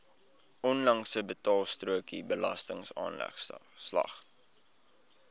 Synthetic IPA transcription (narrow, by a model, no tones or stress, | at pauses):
ʔɔnlɐŋsəbətɑːlˠstruəkibəlɐ̰stəŋsɑ̰ːnlɛ̰χslɐ̰χ